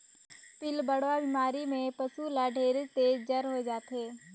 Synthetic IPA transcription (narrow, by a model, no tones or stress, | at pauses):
pɪlbəɽʋabɪmaːɾimẽpəsulaɖʱeːɾt̪eːd͡ʒd͡ʒɐɾɦoed͡ʒaːt̪ɦeː